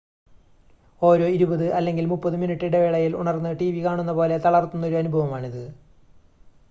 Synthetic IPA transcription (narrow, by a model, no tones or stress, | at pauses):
o̞ːɾo̞ːiɾubɐðɨʔɐlːe̞ŋɡilmupːɐðɨminiʈːiɽeʋeːɭɐjilṵɳɐrnːɨʈiːʋikaːɳunːɐpo̞ːle̞t̪ɐɭɐrt̪unːo̞ɾuɐnubʱɐʋɐmaːɳiðɨ